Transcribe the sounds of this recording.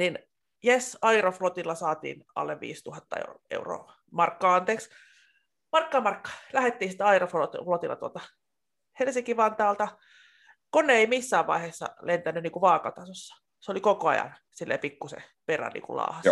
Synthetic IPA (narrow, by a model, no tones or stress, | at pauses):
nin | jesɑiroflot̪ilːɑsɑːt̪ḭːnʔɑ̰lːeʋʋḭːst̪uhɑt̪ːɑḛḛuro̰ː | mɑrkːɑːɑnt̪eːks | mɑrkːɑːmɑrkːɑ̥læhet̪ːiːsi̥t̪ːɑirofotflot̪ilːɑ̰t̪uo̰lt̪ɑ | helsiŋkiʋɑnt̪ɑːlt̪ɑ | konːeeimisːæːʋʋɑ̰iheːsːɑ̰lent̪ænːynniːkuʋɑːkɑt̪ɑsosːɑ̥ | solikokoɑ̰jɑ̰n | silːḛpikːusḛperæ̰nnḭːkṵlɑ̰ːhɑs